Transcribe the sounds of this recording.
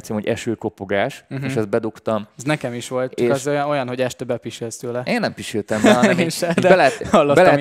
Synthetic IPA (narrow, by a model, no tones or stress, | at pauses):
t̪semhoɟɛ̰ʃøːko̞po̞ɡaːʃeʃɛz̚bɛd̪ukt̪ɒmɛznɛkɛmiʃʋo̞lt̪t͡ʃɔːkɛzojojɒnɦo̞ɟɛʃt̪ɛbɛpiʃelst̪øːlɛeːnːɛmpiʃelt̪ɛmbɒeeːnʃɛd̪bɛlɛɛhɒlːobɛlɛɛ